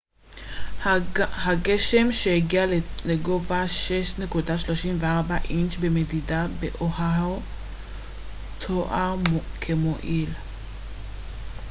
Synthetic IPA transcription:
haɡeʃe̞mʃeheɡialeɡovaʃeʃne̞kudaʃloʃimveaʁbaʔint͡ʃbe̞medidabeʔohao | tʰoʔakʰemoʔil

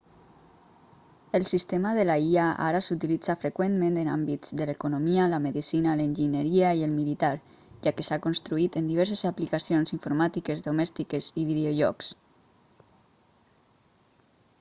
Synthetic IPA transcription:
elˠsist̪emaðelaiaʔa̰ɾasut̪ilid͡zafɾekwenmẽnt̪ena̰mbizd̪əlekunomialəmeðisinalenʲʒinəɾiaielmilit̪aɾ | ʒakesakonst̪ɾuit̪ənd̪iβɛɾsezaplikasionsiɱfoɾmat̪ikezðomɛst̪ikeziβiðeoʒɔ̰ks

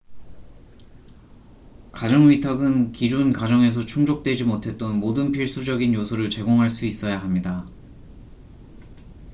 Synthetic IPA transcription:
kad͡ʑʌŋɥitʰʌɡɯnkiɾunkad͡ʑʌŋe̞s̬ʰʌt͡ɕʰuŋd͡ʑok̚t͈we̞d͡ʑimotʰe̞t̚t͈ʌnmodɯnpʰiɭs͈ud͡ʑʌɡinjosʰoɾɯɭt͡ɕe̞ɡoŋɦaɭs͈uis͈ʌjaɦamɲida

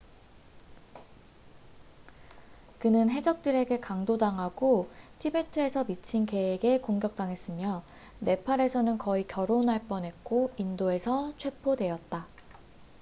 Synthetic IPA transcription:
kɯnɯnɦe̞d͡ʑʌk̚t͈ɯɾe̞ɡe̞kaŋdodaŋɦaɡotʰibe̞tʰɯe̞sʰʌmit͡ɕʰinke̞eɡe̞koŋɡjʌk̚t͈aŋɦe̞s͈ɯmjʌ | ne̞pʰaɾe̞sʰʌnɯnkʌikjʌɾonɦaɭp͈ʌnɦe̞k̚k͈oindoe̞sʰʌt͡ɕʰwe̞pʰodwe̞jʌt̚t͈a

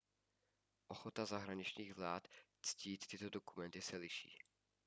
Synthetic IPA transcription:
ʔo̞xot̪azaɦɾaɲɪt͡ʃɲiːɣvlaːt̪ | t͡sciːt̪ːɪt̪o̞dokumɛnt̪ɪsɛlɪʃḭː

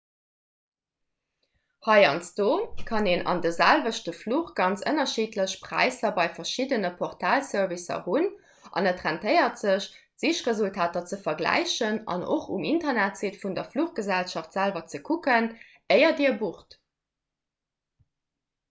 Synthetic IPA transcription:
hɑɪɑ̰nsd̥oːkʰɑneːnɑ̰ndəzælvəʃtəfluːχɡ̥ɑnt͡sə̰nɐʃitʰləɕpʁ̥æ̰ɪsɐbɑɪfɐʃidənəpʰɔχtʰaːlsœʁvisɐ̰hun | ʔɑ̰nətʁæntʰəɪɐtz̥əɕ | z̥iʃʁəzultʰaːtɐt͡səfɐɡlæ̰ɪɕənɑ̰nʔo̰χṵmintɐnætsetfundɐfluχɡ̥əzælʃɑftz̥ælvɐt͡səkʰukən | əɪɐdiːɐbuχt

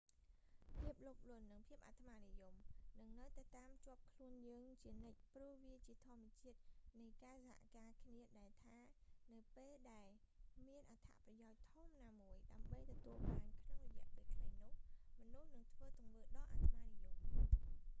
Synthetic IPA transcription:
pʰiəp̚loːk̚lŭənːɨŋpʰiəp̚ʔat̪ʰmaːnijumnɨŋnɨwt̪at̪aːmt͡ɕŏəp̚kʰluənjəːŋt͡ɕiənɨc̚pruəʋiət͡ɕiət̪ʰŏəmːɛ̆ət͡ɕiət̪̚nɨjkaːsaɦa̰ʔkaːkʰniəɗaɛlt̪ʰaːnɨwpeːlɗaɛl | miənʔat̪ʰa̰ʔprɑjaɔc̚t̪ʰumnaːmuəjɗaəmɓəjt̪ɔt̪uəlɓaːnkʰnoŋrɔjɛ̆əʔpeːlkʰlajnʊ̆əhmɔnuhnɨŋt̪ʰʋəːt̪uŋʋəːɗɑʔa̰t̪ʰəmaːnijum

